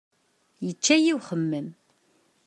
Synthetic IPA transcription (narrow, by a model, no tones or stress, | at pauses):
jət͡ʃːæjiwχəmːəm